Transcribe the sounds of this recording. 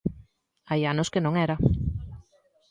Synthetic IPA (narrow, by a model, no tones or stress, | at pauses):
ajanʊskɪnõŋɛɾɐ